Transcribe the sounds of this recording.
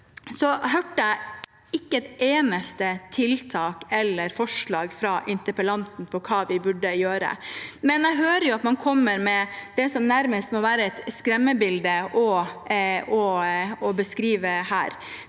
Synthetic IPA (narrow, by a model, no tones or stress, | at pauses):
sɔɦøːʈːəæɪ | ɪkːəɛt̪eːnəst̪ət̪ʰɪlt̪ʰɑːkɛlːəɾfɔʂɭɑːɡfɾɑʔɪnt̪əpəlɑnt̪n̩pʰɔkʰɑːʋɪbʉɖəjøːɾə̰mɛnæɪɦøːɾəjʊɑt̪mɑnkʰɔmːəɾmɛd̪ɛsɔmnæɾməst̪mɔʋæːɾəɛt̪skɾɛmːəbɪld̪əʔɔ | ɔɔbəskɾiːʋəhæ̰ːɾ